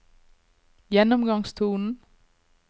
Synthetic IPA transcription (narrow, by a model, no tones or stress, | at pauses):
jenɔmɡ̥ɑ̈ŋst͡sʰuːnn̩